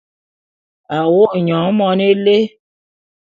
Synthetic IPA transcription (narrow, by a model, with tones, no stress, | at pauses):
a˨wo˦ʔɲɔ̃˨˦mɔ˨˦ne˦le˦